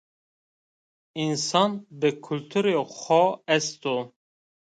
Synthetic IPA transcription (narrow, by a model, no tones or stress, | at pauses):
insɑnbɨkʰult̪ʰuɾexɔɛst̪o